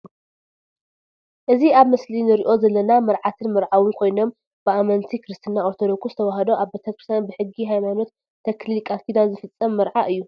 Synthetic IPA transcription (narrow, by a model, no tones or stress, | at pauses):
ʔɨziaβmɨslinɨɾiʔo̞zɐlːɐnamɐɾʕat̪ʰɨnmɨɾʕawɨnkʰo̞jno̞m | b̥ɨamɐnt̪ʰikʰɾɨst̪ʰɨnːaoɾt̪ʰod̪o̞kʰuzɨt̪ʰɐwaɦɐd̪o̞ʔaβbet̪ʰɐkɾɨst̪ʰjanbɨħɨɡːiɦajmano̞t̪ʰː | ɐkʰlilkʼakid̪azɨfɨt͡sʼːɐmːɨɾʕaʔɨjːu